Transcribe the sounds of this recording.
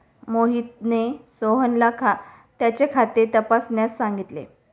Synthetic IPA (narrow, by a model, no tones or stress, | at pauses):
moɦit̪̚nesoɦənlakʰa | t̪jat͡ɕekʰat̪et̪əpasnjasːãŋɡit̪lḛ